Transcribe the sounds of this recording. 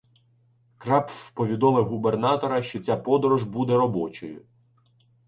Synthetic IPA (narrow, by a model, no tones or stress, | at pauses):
kɾɑppɔʋʲid̪ɔmɪɦubernɑt̪ɔɾɐʃt͡ʃɔt͡sʲapɔd̪ɔɾuʒbud̪ɛɾɔbɔt͡ʃɔjʊ̰